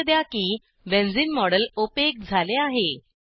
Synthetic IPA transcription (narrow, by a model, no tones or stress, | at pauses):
d̪jakiː | ʋẽnd͡ziːnmɔɽəlopek̚d͡zʱaleaɦe